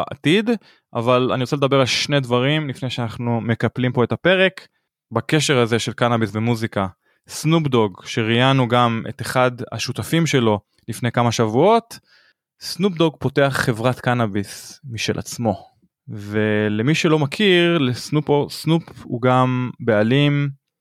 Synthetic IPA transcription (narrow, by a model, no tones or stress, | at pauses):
a̰tid̪ | ʔa̰vala̰niʁot͡seld̪abe̞ʁalʃne̞d̪vaʁimlifnejʃeanaχnume̞kaplimpo̞e̞tape̞ʁe̞k | bake̞ʃe̞ʁaze̞ʃelkanabisvemuzika | snupd̪o̞ɡʃeʁijanuɡame̞̰t̪eχad̪a̰ʃutafimʃe̞lo̞ | lifnejkamaʃavuo̞t̪ | snupd̪o̞ɡpo̞te̞aχːe̞vʁatkanabismiʃelʔa̰t͡smo̞ | ve̞lemiʃelo̞makʰiʁlesnuposnupṵɡambealim